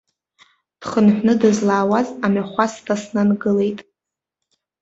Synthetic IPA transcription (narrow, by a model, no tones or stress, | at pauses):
d̥χənħʷnɨdɨzlaːwazamaχʷastʰasnanɡɨle̞jtʼ